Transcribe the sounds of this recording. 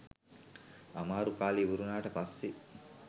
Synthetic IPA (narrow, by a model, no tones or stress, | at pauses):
amaːɾukaːlibuɾunaːʈəpasːi